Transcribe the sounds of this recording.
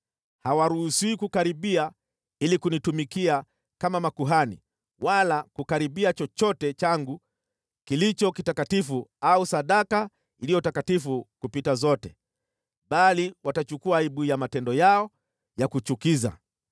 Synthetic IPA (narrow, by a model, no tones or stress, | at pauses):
hawaɾuhusiːkukaɾiɓia | ilikunitumikia | kamamakuɦanḭ | walakukaɾiɓiat͡ʃɔt͡ʃɔtɛt͡ʃaŋɡu | kilit͡ʃɔkitakatifuausaɗaka | ilijɔtakatifukupitazɔtɛ | ɓaliwatat͡ʃukuaiɓujamatɛndɔjaɔ | jakut͡ʃukiza̰